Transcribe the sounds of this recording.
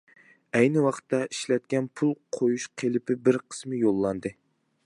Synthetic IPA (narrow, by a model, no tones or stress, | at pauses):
ɛjnɪwɑχt̪ːɑiʃlɛt̪̚kʲʰɛnpʰulˠqʰojuʃqʰelɪpɪbɪɾqʰə̥smɨjolˠːɑnd̪ɨ